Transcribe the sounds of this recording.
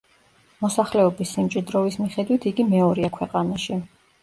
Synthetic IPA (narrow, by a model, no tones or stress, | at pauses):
mɔsaχlɛɔbisːimt͡ʃʼid̪ɾɔvismiχɛd̪wit̪ʰiɡimɛɔɾiakʰwɛqʼanaʃi